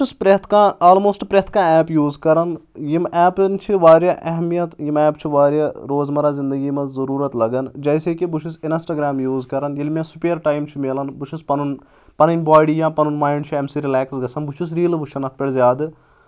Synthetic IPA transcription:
bt͡ʃʰuspɾet̪ʰkãːaːlmoːsʈpɾet̪ʰkãːɛːpjuːzkɐɾɐnjimɛːpnt͡ʃʰiʋaːɾjɐʔɐɦmijɐt̪jimɛːpt͡ʃʰiʋaːɾjaɾoːzmɐɾaːzĩnd̪ɐɡiːmɐzzɐɾuːɾɐt̪lɐɡɐnd͡ʒɐjsekibut͡ʃʰusinsʈɐɡɾaːmjuːzkɐɾɐnjilʲmʲẽsupeːɾʈaːjmt͡ʃʰimeːlɐnbut͡ʃʰuspɐnun | pɐnɐnʲbaːɽijãːpɐnunmaːjiɳɖt͡ʃʰiɐmsiɾilaːksɡɐsɐnbut͡ʃʰus̬ɾiːlbuʃʰɐnɐt̪̚ʰpʲeɽzjaːd̪ɨ

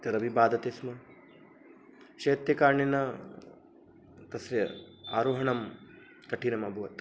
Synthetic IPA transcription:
t̪ɐɾɐbʱibaːd̪ɐt̪esmɐ | ʃeːt̪jɐkaːɾɳinɐ | t̪ɐsɾjɐa̰ːɾoːɦɐɳɐm | t̪ɐʈinɐmɐbʱuʋɐt̪

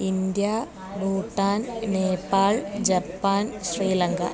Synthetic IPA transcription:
ind̪ja | buːʈːaːnneːpaːɭd͡ʑɐpːaːnɕriːlɐŋɡɐ̰

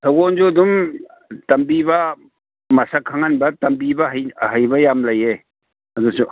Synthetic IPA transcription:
tʰɐɡond͡ʒuɐdum | tɐmbibɐ | mɐsakʰaŋanbɐtɐmbibɐɦjɦɐjbɐjamlɐje | ɐdusu

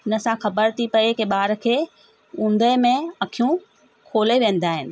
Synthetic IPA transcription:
ɪnə̆sãxɐbəɾt̪ʰipɐekeɓaːɾkʰeː | ũːnd̪əmẽɐkʰijũ | kʰoːleʋẽːn̆d̪aːɦɪnɪ̆

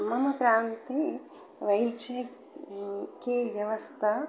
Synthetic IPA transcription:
mɐmɐkɾaːnt̪e | ʋɐjt͡ʃɐ | keʋjɐʋɐst̪ʰɐ

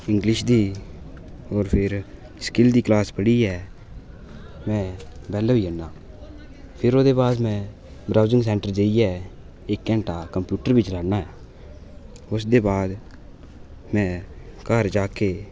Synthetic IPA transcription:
ɪŋɡlɪʃd̪iː | ɔːɾpʰɪɾ | skɪld̪iːklaːspəɽiːɛː | mɛ̃ːbɛːloiːənːaː | pʰɪɾoːd̪eːbaːd̪mɛ̃ː | bɾaːzɪ̃ŋɡs̬ɛːɳʈəɾd͡ʒeːiɛː | ɪkːɛ̃ːɳʈaːkəmpjuːʈəɾʋɪt͡ʃləɽnaːɦɛː | ʊsd̪eːbaːd̪ | mɛ̃ːkəɾd͡ʒaːkeː

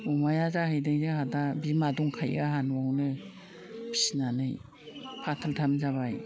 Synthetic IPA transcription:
umajazahɯjdɯŋzɯhadabimaduŋkʰajɡaɦanwawnɯ | bʰi̥sinanɯj | pʰatʰaltʰamzaβaj

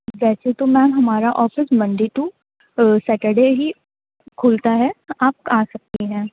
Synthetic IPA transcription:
ʋɛːset̪omɛ̃ːɦɐmaːɾaʔɔːfɪsmɐ̃ɳɖiʈu | sɛːʈeɖeɦi | kʰʊːlt̪aɦɛaːp̚aːsɐk̚t̪iiɦɛ̃ː

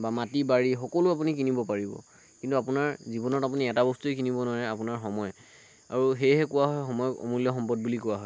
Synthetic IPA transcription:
bamatibaɹixɔkɔlʊap̬unikinibɔpaɹibɔ̰ | kintuapunaɹzibɔnɔtapuniɛtabɔstuekinibɔnʊaɹɛapunaɹxɔmɔj | a̰ɹuxejɦɛkʊwaɦɔjxɔmɔjɔkɔ̰mulɔxɔmpɔd̚bulikʊwaɦɔj

